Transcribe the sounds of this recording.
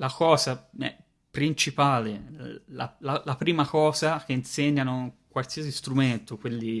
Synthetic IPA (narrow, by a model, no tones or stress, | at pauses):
lakɔːzaɛ̰ | pɾint͡ʃipaːlela̰lalapɾiːmakɔːzak̟einseɲːanokwalsiasist̪ɾument̪okwelːi